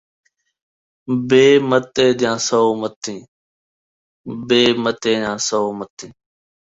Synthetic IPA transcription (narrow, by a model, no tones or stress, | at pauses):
beːmət̪eːd̪ɪjãːsəoːmət̪ʰːĩː | beːmət̪eːjãːsəoːmət̪ĩː